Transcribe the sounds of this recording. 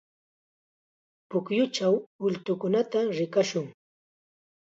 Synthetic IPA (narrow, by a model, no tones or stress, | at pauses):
pʊkjʊt͡ʃawʊlt̪ʊkʊnat̪aɾɪkaʃʊŋ